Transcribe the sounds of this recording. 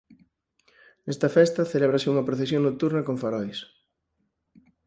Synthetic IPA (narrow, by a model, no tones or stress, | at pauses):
nɛst̪ɐfɛst̪ɐθelɛβɾɐseuŋɐpɾoθesjoŋnot̪uɾnɐkoɱfaɾɔjs